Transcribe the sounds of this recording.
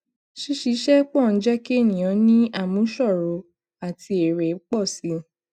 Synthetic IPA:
ʃi˧˦ʃi˨˧˦ʃɛ˦k͡pɔ˦˨n̩˨˦d͡ʒɛ˦ke˦˨nĩ˨j̃ã˨˦nĩ˦a˦˨mũ˨˦ʃɔ˦˨ɾo˨˧˦ | a˨ti˧e˨ɾɛ˨˦k͡pɔ˦˨si˨˦

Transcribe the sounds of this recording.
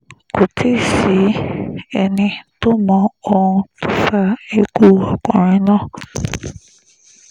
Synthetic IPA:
kʊ˨tʰi˦si˨˦ɛ˨nɪ˦tʊ˦mɔ˨o˦ŋu˦tʰʊ˦fa˦e˦ku˦ɔ˨kɔ̰˨ɾɪ˦nɔ˦

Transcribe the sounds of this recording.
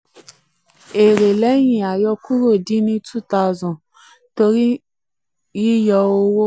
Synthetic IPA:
e˨ɾe˨le˦ɲĩ˨a˨jɔ˧ku˦ɾo˦˨di˦nĩ˦tu˦ta˦˨zʊ̃˨ | to˧ɾi˦ | i˦jɔ˧o˦wo˦

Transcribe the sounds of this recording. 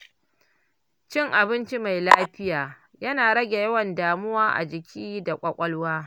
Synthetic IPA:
t͡ʃɪ˦˨ŋʔa˨bɪ˦nt͡ʃi˦ma˨jlaː˦ɸɪ˦jaː˨ | jɐ˦naː˨ɽɐ˦ɡʲe˨jɐ˦wɐ˨ndaː˨mʊ˦waː˦ʔa̰˨d͡ʒɪ˨kʲʰiː˦da˨kʷʼɐ˨kʷʼɐ˦lwaː˦

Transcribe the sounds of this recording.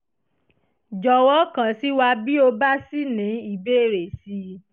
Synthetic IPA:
d͡ʒɔ˧wɔ˦kã˨si˦wa˧bi˦o˧ba˦si˦nĩ˨˦i˦˨be˦˨ɾe˨si˧˦

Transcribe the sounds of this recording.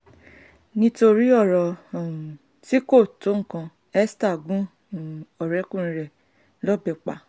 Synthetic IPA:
nĩ˦to˧ɾi˦ɔ˦˨ɾɔ̃˨ | ti˦ko˦˨to˨˦ŋ̩˦˨kã˧ | ɛ˦sta˦˨ɡũ˦˨ | ɔ˨ɾɛ˨˦kũ˦˨n̩˨˦ɾɛ˨ | lɔ˦˨bɛ˨k͡pa̰˨

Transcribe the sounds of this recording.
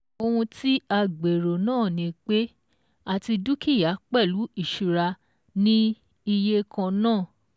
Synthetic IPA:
o˧hũ˧ti˦a˧ɡ͡be˨ɾo˨nãː˦˨nĩ˧˦k͡pe˦ | a˨ti˧du˦ki˦˨ja˨˦k͡pɛ˦˨lu˨˦i˦˨ʃu˨ɾa˧ | nĩ˦ | i˧je˦kã˧nãː˦˨

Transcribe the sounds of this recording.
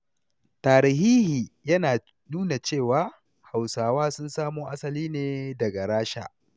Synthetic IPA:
taː˨ɾɪ˨ɦiː˦hiː˨jɐ˦naː˨ | nuː˦na˨t͡ʃeː˦˨waː˦ | ha˨wsaː˨waː˦sʊ˦nsaː˦moː˦ʔa˦sɐ˨liː˦neː˦dɐ˨ɡa˨ɾaː˦ʃa̰˨

